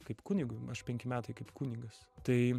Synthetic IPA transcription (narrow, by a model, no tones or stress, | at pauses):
kɐɪpkuːnʲɪɡʊɐʃpʲɛŋʲkʲɪmʲæːt̪ɐɪkɐɪpkuːnʲɪɡɐst̪ɐɪ